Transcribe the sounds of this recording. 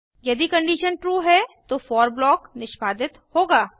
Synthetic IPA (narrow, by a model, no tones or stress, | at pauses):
jɐd̪ikɐ̃ɳɖiːʃənʈɾuːɦɛt̪ofɔːɾblɔːknɪʃbaːd̪ɪt̪hoːɡaː